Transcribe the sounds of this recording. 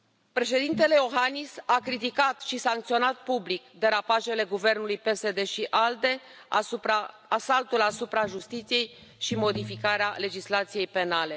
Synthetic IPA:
pɾe̞ʃe̞d̪int̪e̞le̞jo̞ɦanisakɾit̪̬ikat̪ʃisaŋkt̪sio̞nat̪̚publikd̪e̞ɾapaʒe̞le̞ɡuve̞rnulujpe̞se̞d̪e̞ʃiʔald̪e̞ | a | asalt̪ulasupɾaʒust̪it̪sije̞j | ʃimo̞d̪ifikaɾeale̞d͡ʒislat̪sije̞jpe̞nale̞

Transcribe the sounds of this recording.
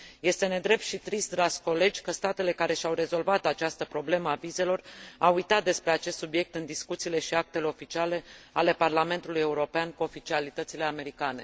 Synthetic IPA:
je̞st̪e̞ne̞d̪ɾe̞p̚t̪ʃit̪ɾist̪d̪ɾaʒ̥ʲko̞le̞d͡ʒʲkəst̪at̪e̞le̞kaɾe̞ʃiawɾe̞zo̞lvat̪at͡ʃast̪əpɾo̞ble̞məavize̞lo̞rawujt̪at̪̚d̪e̞spɾe̞at͡ʃest̪subje̞k̚t̪ɨnd̪iskut̪siːle̞ʃiak̚t̪e̞le̞o̞fit͡ʃiale̞ale̞parlame̞nt̪uluje̞uɾo̞peankuo̞fit͡ʃialit̪ət̪sile̞ame̞ɾikane̞̰

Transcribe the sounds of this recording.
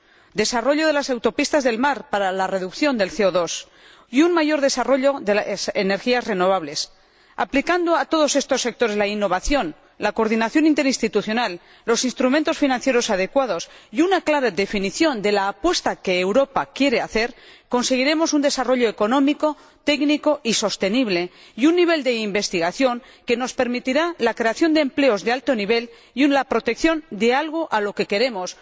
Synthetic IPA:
d̪e̞saro̞ʎo̞ð̞e̞lasawt̪o̞pist̪azðe̞lmaɾpaɾalare̞ðukθjo̞nd̪e̞lθeoðo̞s | iunmaʝo̞ɾðe̞saro̞ʎo̞ðeasene̞ɾxiasre̞no̞β̞aβ̞le̞s | a̰plikand̪oat̪o̞ð̞o̞se̞st̪o̞sːe̞k̚t̪o̞ɾe̞zlainːo̞βaθjo̞n | lako̞ɾðinaθjo̞nint̪e̞ɾinst̪it̪uθjo̞nalː | o̞sinst̪ɾumẽnt̪o̞sfinãnθje̞ɾo̞sað̞e̞kwaðo̞sjunaklaɾaðefiniθjo̞nd̪e̞laːpwe̞st̪ake̞ːwɾo̞pakje̞ɾe̞aθe̞ɾko̞nse̞ɣ̞iɾe̞mo̞sund̪e̞saro̞ʎo̞eko̞nõ̞miko̞ | t̪ekniko̞ʔiso̞st̪e̞niβ̞le̞ | junːiβ̞e̞ld̪e̞imbe̞st̪iɣaθjo̞ŋ | ke̞no̞spe̞ɾmit̪iɾalakɾe̞aθjo̞nd̪eːmple̞o̞zðalt̪o̞niβ̞e̞l | julapɾo̞t̪e̞kθjo̞nd̪e̞alɣ̞o̞ʔalo̞ke̞ke̞ɾe̞mo̞s

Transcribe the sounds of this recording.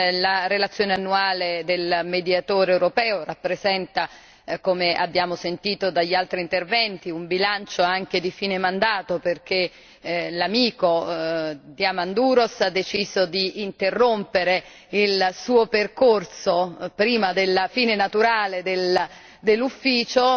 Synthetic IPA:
laɾelat̪sːjoːneanːuaːled̪elmed̪jat̪oːɾewɾopɛːorapːɾezɛnt̪a | komeʔa̰bːjaːmosent̪iːt̪od̪aʎːalt̪ɾint̪ervɛnt̪iumbilant͡ʃoaŋk̟ed̪ifiːnemand̪aːt̪operk̟e | lamiːko | d̪jamand̪uːɾosad̪ːet͡ʃiːzod̪iːnt̪erːompeɾe | ilsuːoperkorsopɾiːmad̪elfiːnenat̪uɾaːled̪el | d̪elːufːiːt͡ʃo

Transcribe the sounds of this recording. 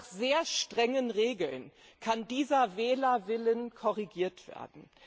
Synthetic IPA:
χz̥eːɐʃtʁ̥ɛŋənʁeːɡl̩n | kʰandiːzɐvɛːlɐvɪlənkʰɔʁiɡiːɐtv̥ḛːɐdn̩

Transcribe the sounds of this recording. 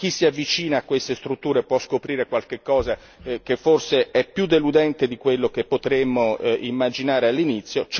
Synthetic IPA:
k̟isːiavːit͡ʃiːnaːkːwest̪est̪ɾut̪ːuːɾepwɔskopɾiːɾekwalk̟ekːɔːza | k̟efːorseɛpːjud̪elud̪ɛnt̪ed̪ikwelːok̟epːot̪ɾemːoimːad͡ʒinaːɾealːinit̪sːjot͡ʃ

